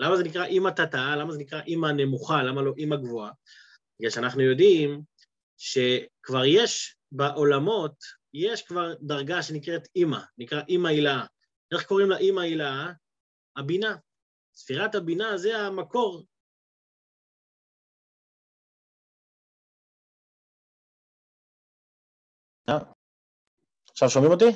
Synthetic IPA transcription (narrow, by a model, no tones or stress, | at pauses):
lamaze̞nikʁaʔimatat̪aalamazenikʁaʔimane̞muχalamalo̞ʔimaɡvoa | iɡaʃanaχnujo̞dim | ʃe̞kvaʁje̞ʃ | baʔo̞lamo̞t | je̞ʃkvaʁdaʁɡaʃe̞nikʁet̪imanikʁaʔimailaa | e̞χko̞ʁimlaʔimailaa | abina | sfiʁat̪habinazeamako̞ʁ | a | aχʃavʃomimot̪i